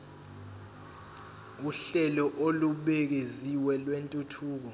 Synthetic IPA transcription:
uɬɛlɔʔoluɓek̬eziwɛlwentʼutʰuːk̬ɔ

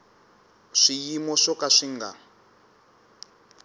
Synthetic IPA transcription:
ʂijimɔʂɔkaʂiŋɡa̰

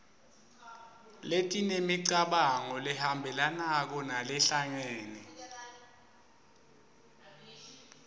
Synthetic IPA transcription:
letʼinemiǀaɓaŋɔlɛhambʱɛlanak̬ɔnalɛɬaŋeːnɛ

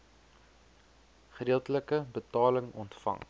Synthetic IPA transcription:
χədiəlˠtələkəbətɑːləŋɔntfɐ̰ŋ

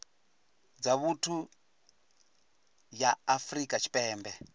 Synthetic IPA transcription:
d͡zaβutʰu | jaːfrikʼat͡ʃʰi̥pʼɛːmbɛ

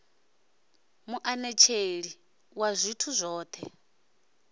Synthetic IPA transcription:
muʔanɛt͡ʃʰeɺi | wazʷitʰuzʷɔːt̪ʰɛ̰

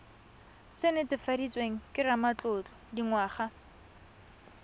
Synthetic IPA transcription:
sɪnɪtɪfadit͡sʼweŋ̩kʼɪramat͡ɬʊt͡ɬʼɔ̥diŋwaːχa

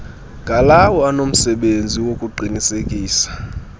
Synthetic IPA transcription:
ŋɡʱalawɔanom̩sɛɓend͡zʱiwokʼuǃʱinisekʼiːsḁ

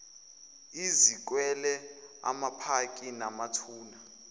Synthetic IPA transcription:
izik̬wɛlɛa̰mapʰakʼinamatʰuːna

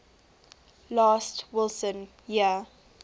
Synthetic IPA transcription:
laːstwɪlˠsə̃n | jiə

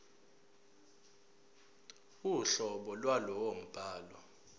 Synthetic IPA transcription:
uɬɔɓɔlwalɔwom̩b̥ʱaːlwɔ

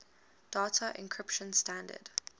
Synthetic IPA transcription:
d̥ɑːtʰəʔɪ̰̃nkʰɹ̥ɪpʃə̃nstãndə̰d̥

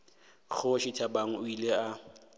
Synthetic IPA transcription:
χʰʊʃɪtʰabaŋ̩ʊilea

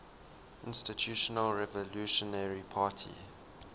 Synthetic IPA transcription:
ʔɪ̰̃nstitʰjuʃɔnəlɹɛvɔluːʃɔnɛɹipʰaːtʰḭ

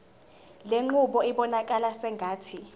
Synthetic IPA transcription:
leŋ͡ǃuɓɔiɓɔnakʼalasɛŋɡʱaːtʰi

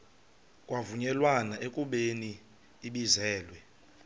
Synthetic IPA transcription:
kʼwavuɲɛlwanaekʼuɓeniː | ɓizɛːlwɛ

